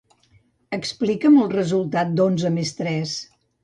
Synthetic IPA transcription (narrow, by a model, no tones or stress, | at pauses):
əksplikəməlˠrəzulˠt̪at̪̚d̪onzəmest̪ɾɛs